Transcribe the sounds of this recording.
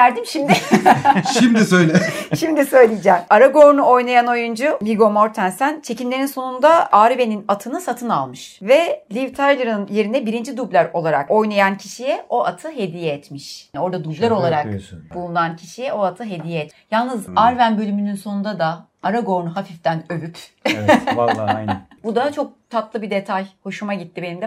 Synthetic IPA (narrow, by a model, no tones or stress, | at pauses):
æɾd̪imʃimd̪ɪʃimd̪isøjlʲɛʃimd̪isø̞jlʲijid͡ʒɛmaɾaɡo̞ɾnuo̞jnajano̞jund͡ʒuviɡo̞mo̞ɾt̪ʰænsænt͡ʃʰe̞cinlʲe̞ɾinso̞nund̪aaːɾibe̞ninat̪ʰɯnɯsat̪ʰɯna̰lˠmɯʃvɛlʲivt̪ʰaɾlˠɯɾɯnje̞ɾind̪ɛbiɾind͡ʒid̪ublʲæɾo̞lˠaɾa̰ko̞jnajancʰiʃijɛʔo̞ʔat̪ʰɯɦe̞d̪ijɛjɛt̪miʃo̞ɾd̪ad̪ublʲæɾo̞lˠaɾakb̥ulˠunancʰiʃijɛo̞at̪ʰɯɦe̞d̪ijɛɛt̪jalˠnɯzaɾvænbølʲymynynsonund̪ad̪a | aɾaɡo̞ɾnuɦafift̪ænøvyp | bud̪at͡ʃʰo̞k̚t̪ʰat̪lˠɯbid̪e̞t̪ʰajho̞ʃumaɟit̪ːibe̞nimd̪ɛ